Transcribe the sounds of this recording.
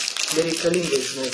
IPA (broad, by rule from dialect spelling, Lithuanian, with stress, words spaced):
bʲɛrʲɛɪkɐˈlʲiːŋɡɐɪ ʒʲɪˈnɐɪ